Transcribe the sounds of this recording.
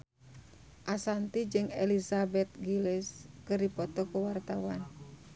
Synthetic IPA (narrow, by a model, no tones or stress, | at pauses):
ʔasant̪id͡ʒɨŋɛlisabɛt̪̚ɡilɛskɨrdipɔt̪ɔkuwart̪awan